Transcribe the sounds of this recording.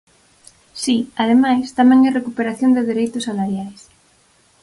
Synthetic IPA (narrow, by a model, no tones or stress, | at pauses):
siað̞emajst̪amẽŋɛrekupeɾaθjond̪eðeɾejt̪osalaɾjajs